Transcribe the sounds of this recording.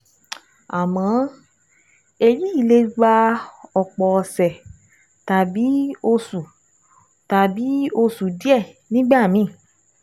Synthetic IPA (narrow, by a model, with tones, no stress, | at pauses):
a˨mɔ̃˨˦ | e˧ɾi˦i˦˨le˧ɡ͡ba˧ɔ˨k͡pɔ˨ɔ˧sɛ˨ | ta˨bi˨˦o˧su˨ | ta˨bi˨˦o˧su˨di˦ɛ˦˨nĩ˦ɡ͡ba˦˨mĩ˨˦˨